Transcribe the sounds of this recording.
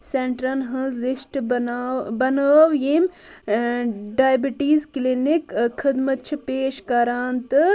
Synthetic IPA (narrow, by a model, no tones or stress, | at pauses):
seɳʈɾɐnɦɐzlisʈː | bɐnaːʋjim | ɖaːjbiʈiːzklinikkʰːɐd̪mɐt̪̚t͡ʃʰipeːʃkɐɾaːnt̪ɨ